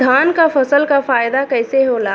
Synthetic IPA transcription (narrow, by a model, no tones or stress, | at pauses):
d̪ʱaːnkafʰəsəlkafaːjd̪akɛɪseɦoːlaː